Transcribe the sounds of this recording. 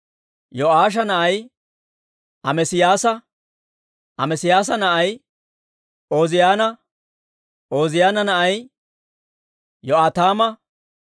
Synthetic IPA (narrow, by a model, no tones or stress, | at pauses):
jɔʔaːʃ̬ɐnɐʔɐj | ɐmɛsɪjaːsɐ | ʔɐmɛsɪjaːs̬ɐnɐʔɐj | o̞ːzɪjaːnɐ | ʔo̞ːzɪjaːnɐnɐʔɐj | jɔʔaːt̪aːmɐ